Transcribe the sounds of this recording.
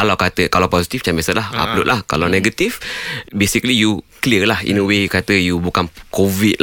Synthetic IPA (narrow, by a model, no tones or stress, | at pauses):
kalawkat̪əkalawpɔsit̪ift͡ʃambɛsəlaha̰ploʔ̚lʔahkalawnɛɡət̪ifbesiklijukliəlahḭnəwejukat̪əjubukankovit